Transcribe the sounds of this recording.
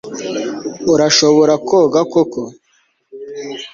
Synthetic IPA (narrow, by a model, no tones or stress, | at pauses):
uɾaʃoβoɾakoɡakoko